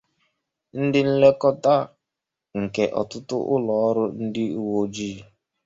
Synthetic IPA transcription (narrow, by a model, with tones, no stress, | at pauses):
n̩˦dɪ˦n̩˦le˦kɔ˦ta˦ | ŋ̩˨ke˨ʔɔ̰˨tʊ˦tʊ˦ʔʊ˦lɔ˨ɔ˦ɾʊ˦n̩˦dɪ˦u˦wo˦d͡ʒi˦˨